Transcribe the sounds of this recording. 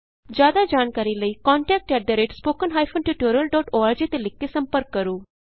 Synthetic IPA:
d͡ʒjaːd̪aːd͡ʒaːnkaːɾiːləiːkɔːɳʈɛːk̚ʈɛːɖ̪əɾeːʈspoːkənɦaːipʰõːnʈiːʈoːɾiəlɖɔːʈoːaːɾd͡ʒeːt̪eːlɪkːeːsəmpəɾkːəɾoː

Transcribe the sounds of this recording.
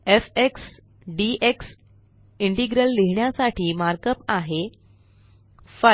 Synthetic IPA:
efeks | ɖiʔeks | iɳʈiɡɾəlːeɦɳjasaʈʰiːmaɾkəpaɦe | fə

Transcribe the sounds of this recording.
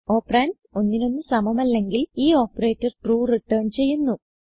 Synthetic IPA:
o̞ːpraːnd | o̞nːino̞nːɨsɐmɐmɐlːe̞ŋɡiliːo̞ːpːre̞ːtːɐrʈruːriʈːɐːɳt͡ɕe̞jːunːu

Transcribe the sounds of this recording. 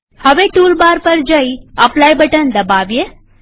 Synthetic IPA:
həʋeʈulbaɾpəɾd͡ʒəiaplajbəʈənd̪əbaʋje

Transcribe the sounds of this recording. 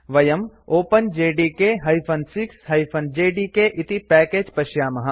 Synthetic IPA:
ʋɐjɐmoːpənd͡ʒeːɖikeɦɐipʰɐnsɪksɦɐipʰɐnd͡ʒeːɖikeʔɪt̪ipɛːkeːd͡ʒpɐʃjaːmɐɦɐ̃

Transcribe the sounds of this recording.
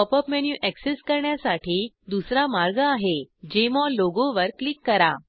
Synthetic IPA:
ɔpəpmɛnjuʔɛkseskəɾɳjasaʈʰiː | d̪usɾamaɾɡaːɦed͡ʑemɔloɡoʋəɾklikːəɾa

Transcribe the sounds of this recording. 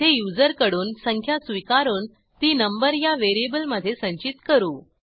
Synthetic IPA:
ejud͡zəɾkəɽuːnsəŋkʰjasʋikaɾuːn | t̪iːnəmbəɾjaʋeɾiebəlməd̪ʱːjesə̃ɲt͡ɕit̪kəɾuː

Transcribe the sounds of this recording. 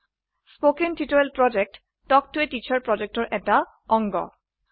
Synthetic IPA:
spokentitoelpɹɔd͡ʒek̚tː | ɔk̚tuetit͡ɕʰaɹpɹɔd͡ʑek̚tɔɹʔɛta | ɔŋɡɔ̰

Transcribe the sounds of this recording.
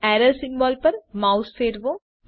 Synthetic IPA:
ɛːɾəsɪ̃ŋbɔːlpɐɾmaːʊsfeːɾʋõː

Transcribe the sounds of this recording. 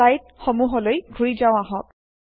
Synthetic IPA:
ajt̚xɔmuɦɔlojɡʱuɹizaʊ̃aɦɔk̚

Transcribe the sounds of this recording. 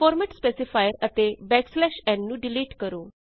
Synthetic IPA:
fɔːɾmɛʈspeːsɪpʰaːjəɾət̪eːbɛːkslɛːʃɛ̃ːnːũːɖɪliːʈkəɾoː

